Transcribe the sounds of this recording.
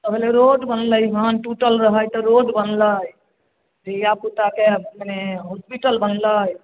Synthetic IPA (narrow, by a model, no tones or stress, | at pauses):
t̪əbʱeleɾoɖbənləjɦanʈuʈəlɾəɦəjt̪ɔɾoɖbənləj | d͡ʒijaput̪akeməneɦospiʈəlbənləj